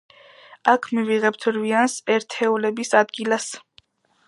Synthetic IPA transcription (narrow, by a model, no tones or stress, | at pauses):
akʰmiviʁɛp̚t̪ʰɾviansɛɾt̪ʰɛulɛbisad̪ɡilas